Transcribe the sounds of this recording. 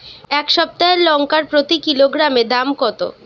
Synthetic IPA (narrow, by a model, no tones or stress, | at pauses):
ɛkʃɔb̚t̪aelɔŋkaɾpɾot̪ikiloɡɾamed̪amkɔt̪o̰